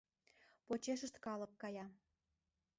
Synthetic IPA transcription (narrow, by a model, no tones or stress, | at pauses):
pot͡ɕeʃəʃt̪kɑləkːɑjɑ